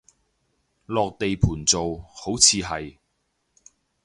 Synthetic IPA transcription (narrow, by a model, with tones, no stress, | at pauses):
lɔː˨k̚t̪e˨jpʰuː˨˩nt͡so˨who˨˥wt͡sʰiː˨˧ɦɐ˨j